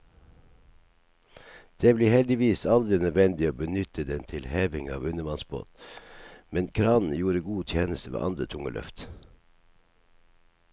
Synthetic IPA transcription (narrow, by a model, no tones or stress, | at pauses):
d̪̥eːbliːhɛld̪ɪʋiːsɑld̪ɾɪnœd̪ʋɛnd̪ɪoːbənʏt̪ʰəd̪ɛnt̪ʰɪlheːʋɪŋɑ̰ːʋʉnəmɑnsbo̰ːt̪ | mɛnkʰɾɑːnn̩juːɾəɡuːt̪ʰjeːnəst̪əʋḛːʔɑ̰nd̪ɾət̪ʰʊŋə̰lʔœ̰ft̪